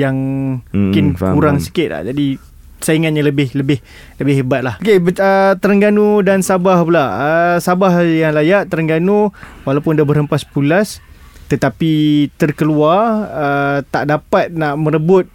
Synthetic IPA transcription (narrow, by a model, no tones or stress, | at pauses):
jaŋkɪnkuɾaŋsi̥kɪt̪̚la̰d͡ʒadi | saiŋat̪̚ɲaləbɪhləbɪh | ləbɪhebat̪̚lahokebəət̪əɾəŋɡanudansabahpulaəsabahjaŋlajaʔt̪əɾəŋɡanuwalawpʊndabərɦəmpaspulas | t̪ət̪apit̪ərkəluarət̪a̰ʔdapat̪̚naʔmə̃ɾəbʊt̪̚